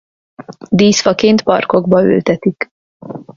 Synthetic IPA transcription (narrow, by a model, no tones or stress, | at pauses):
d̪iːsfɒkeːnt̪pɒ̰rko̞ɡbɒø̰lt̪ɛt̪ik